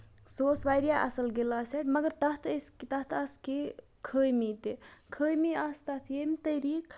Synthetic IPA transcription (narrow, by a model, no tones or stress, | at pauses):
soːsʋajɾijaʔɐsəlɡelaseʈmɐɡəɾt̪ɐɦt̪ʰɐskt̪ɐt̪ʰɐske | kʰəːjmit̪ekʰəːjmiɐst̪ɐt̪ʰjemit̪ɐɾiːk